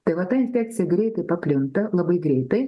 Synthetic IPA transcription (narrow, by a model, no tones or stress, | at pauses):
t̪evˠɐt̪aɪnfʲek̚t̪sɨjəɡɾʲejt̪ɨpɐplʲont̪əlˠɐbɨjɡɾʲejt̪ɨ